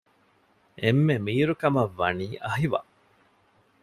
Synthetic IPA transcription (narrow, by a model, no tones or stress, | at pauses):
ʔemːemiːɾukɐmɐʋːɐ̰niːʔɐɦiʋɐ̰